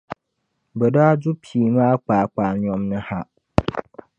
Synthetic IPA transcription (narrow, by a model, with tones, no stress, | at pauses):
bɛ˨daː˦d͡ʒʊ˦pʰiː˨maː˦k͡paː˨k͡paː˨lɲɔ˦mnɨ˦ha˦ʔ